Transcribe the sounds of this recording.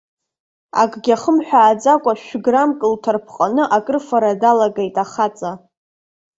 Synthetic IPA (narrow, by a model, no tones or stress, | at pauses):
a̰kʷʼɡʲaχəmħʷᶣaːd͡zakʷʼaʃʷᶣɡramkʼɨltʰarpʰqʼanɨʔakʼɨrfaɾadalaɡejtʼaχat͡sʼa